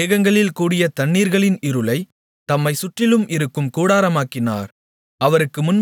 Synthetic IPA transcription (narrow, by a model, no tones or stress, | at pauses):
eːɣɐŋɡɐɭɪlkuːɽɪjɐt̪ɐɳːiːɾɣɐɭɪnɪɾɯlɐɪ | t̪ɐmːɐɪsʊʈrɪlɯmʔɪɾɯkːɯmkuːɽaːɾɐmaːkːɪna̰ːɾ | ʔɐʋɐɾɯkːɯmʊn